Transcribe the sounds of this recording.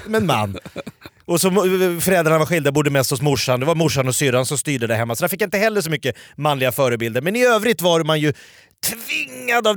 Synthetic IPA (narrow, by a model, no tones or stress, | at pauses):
mɛnma̰nː | ɔsɔfœɾɛldɾaɳavaɾɧɪld̪abuːd̪ːəmɛst̪hɔsmʊʂːand̪ɛvaɾmʊʂːanɔsyːɾansɔmst̪yːɖəd̪æɾɦɛmːasɔd̪æɾfɪkːaɪnt̪əhɛlːəʂɔmʏkːəmanːlɪɡafœːɾəbɪld̪əɾmɛnɪøːvɾɪt̪vaɾmanjɵ | t̪ʰvɪŋːad̪av